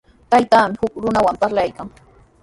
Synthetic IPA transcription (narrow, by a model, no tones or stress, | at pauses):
t̪ajt̪aːmɪhʊkɾʊnawampaɾlajkaŋ